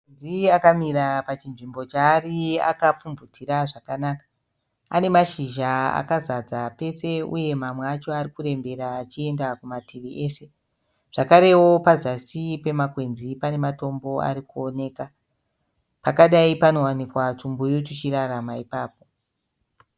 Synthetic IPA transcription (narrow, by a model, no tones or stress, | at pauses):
enziakamiɾapat͡ʃinʐimbo̞t͡ʃaːria̰kap͡fuɱvutʰiɾaʐakanaːkḁ | ane̞maʃiʒaa̰kazad͡zape̞se̞ṵje̞mamweat͡ʃo̞arikuɾe̞mbe̞ɾaːt͡ʃie̞ndakumatiʋiʔe̞ːse̞ | ʐ̥akaɾe̞wo̞pazasipe̞makwe̞nzipane̞mato̞mbo̞a̰ɾikuone̞ːka | pakaɗaipano̞wanikwat͡ʂumbujot͡ʃit͡ʃiɾaɾamaipaːp̚o̞